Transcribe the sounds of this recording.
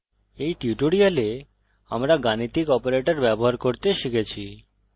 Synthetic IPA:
ejʈiuʈoɽijale | amɾaɡanit̪ikɔpoɾeʈoɾbɛboɦaɾkoɾt̪eʃikʰet͡ɕʰi

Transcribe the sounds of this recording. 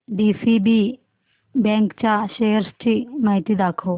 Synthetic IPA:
ɖiːsiːbi | bɛ̃ːŋkt͡ɕaʃejəɾst͡ɕinaːjt̪id̪aːkʰo

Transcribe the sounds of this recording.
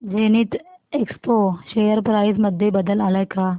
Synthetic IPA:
d͡ʑeñiːt̪ekspoɕejəɾpɾaisməd̪ʱjebəd̪əlalajka

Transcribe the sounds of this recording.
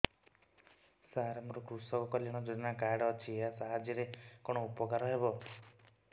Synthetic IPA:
saɦaɾamuɾɔkɾusɔkɔkɔljaɽ̃ɔd͡ʒoɽinakajɽɔːt͡ʃʰiasaɦad͡ʒiɾekɔɽ̃ɔupɔkaɾɔɦebɔ

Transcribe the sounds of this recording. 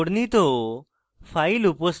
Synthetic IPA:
ɽnit̪o | fʰailupəs

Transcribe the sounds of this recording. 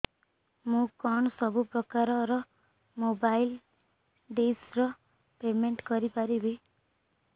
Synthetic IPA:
mũkɔɳɔsɔbupɾɔkaɾɔɾɔ | mobajl | ɖesɾɔ | pemeɳʈkɔɾipaɾibe

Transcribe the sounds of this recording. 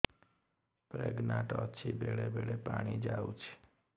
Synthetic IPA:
pɾeɡnãʈət͡ʃʰibʱeɭebʱeɭepaɽ̃id͡ʒaut͡ʃʰe̥

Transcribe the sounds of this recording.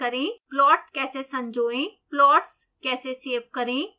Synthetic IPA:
əɾẽːplɔːʈkɛːseːsə̃md͡ʒoːẽːplɔːʈs | kɛːseseːp̚kəɾẽː

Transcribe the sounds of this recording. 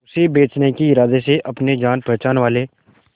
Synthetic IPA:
ʊsebeːt͡ʃnekiɪɾaːd̪eseʔɐpned͡ʒaːnpɛɦːt͡ʃaːnʋaːleː

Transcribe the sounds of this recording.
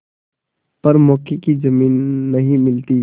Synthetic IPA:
pɐɾmɔːkekid͡ʒɐmiːnːɐɦĩmɪlt̪i

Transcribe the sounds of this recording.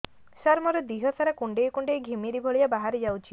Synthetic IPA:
saɾmɔɾɔd̪iɦɔsaɾakuɳɖejkuɳɖejɡʱimiɾibʱɔɭijabaɦaɾed͡ʒawt͡ʃʰi

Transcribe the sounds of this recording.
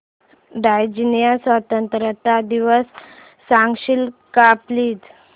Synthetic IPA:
ɖajd͡ʑinjasʋat̪ənt̪ɾət̪ad̪iʋəsː | ãŋɡɕilkapliːt̪

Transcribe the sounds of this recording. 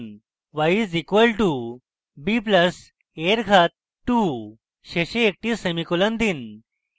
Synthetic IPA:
n | ʋajizikʋəlʈu | bipləs | eɾɡʱat̪̚ | ʈːu | ɕeɕeːk̚ʈiːsemikulənd̪in

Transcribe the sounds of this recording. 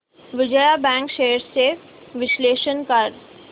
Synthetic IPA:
ʋɪd͡ʒəjabɛ̃ːŋkʃeːəɾsse | ʋɪsleːʃənkɐɾ

